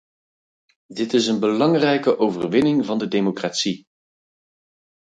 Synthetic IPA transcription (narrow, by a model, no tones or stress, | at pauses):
dɪtɪsənbəlɑŋrɛjkəʔowvə̰rʋɪnɪŋvɑndədejmokraːtsi